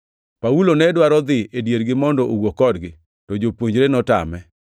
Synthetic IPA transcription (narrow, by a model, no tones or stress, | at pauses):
paulonɛdwaɾɔd̪ɪedjeɾɡɪmɔndɔʔowokɔdɡɪ | tɔd͡ʒopwoɲd͡ʒɾenɔta̰mɛ